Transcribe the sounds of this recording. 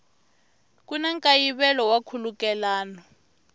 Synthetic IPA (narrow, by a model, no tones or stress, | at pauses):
k̬ʼunaŋkʼajiβɛlɔwakʰulukɛlaːnɔ